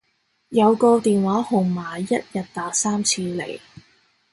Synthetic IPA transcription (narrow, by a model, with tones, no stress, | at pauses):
jɐ˨˧wkɔː˧t̪iː˨nwaː˨˥hʊ˨˩ŋmaː˨˩jɐ˥t̚jɐ˨t̚t̪aː˨˥k̚saː˥mt͡sʰiː˧lḛ˨˩j